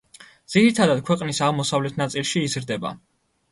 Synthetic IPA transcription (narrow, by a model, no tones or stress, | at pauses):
d̪z̥iɾit̪ʰad̪ad̪̚kʰwɛqʼnisaʁmɔsavlɛt̪ʰnat̪sʼilˠʃiːzɾd̪ɛba̰